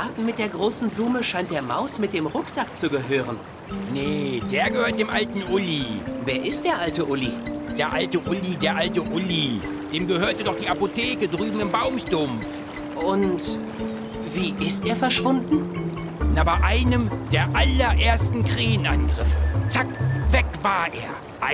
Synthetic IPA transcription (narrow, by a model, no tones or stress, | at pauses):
ʔaːtn̩mɪt̚d̥eːɐɡʁoːsn̩bluːməʃaɪnt̚d̥eːɐma̰ʊsmɪt̚d̥eːmʁʊkz̥akt͡suɡəɦøːʁən | nəd̥eːɐɡəhøːɐt̚d̥eːmʔaltn̩ʔʊliveːɐʔɪst̚d̥eːɐʔaltəʔʊlid̥eːɐʔaltəʔʊlideːɐʔaltəʔʊli | d̥eːmɡəhøːɐtədɔχd̥iːapotʰeːkədʁyːbm̩ɪmbaʊmʃtʊmf | ʔʊnt | v̥iːʔɪsteːɐfɛɐʃv̥ʊndn̩ | nʔaːbɐʔaɪnəmd̥eːɐʔalɐɐʔeːɐstn̩kʁ̥eːənʔa̰nɡʁɪfət͡sakvɛkv̥aːɐʔeːɐ | ʔ